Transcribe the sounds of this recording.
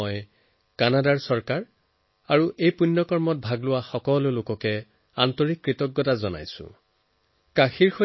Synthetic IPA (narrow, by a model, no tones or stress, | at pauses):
ɔj | kanadaɹsɔɹkaɹ | aɹuʔejpunːɔkɔɹmɔt̚bʱaɡlʊwaxɔkɔlʊlokɔkɛ | a̰ntɔɹikːɹitɔɡːɔtazɔna̰jsʊ̰̃ | kaxiɹxo